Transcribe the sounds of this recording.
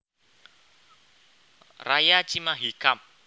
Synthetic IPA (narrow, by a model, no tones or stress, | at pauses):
rajat͡ʃimaɦikap̚